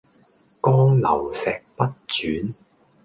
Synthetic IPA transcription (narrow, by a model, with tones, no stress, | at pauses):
kɔː˥ŋlɐ˨˩wsɛː˨k̚pɐ˥t̚t͡ʃyː˨˥n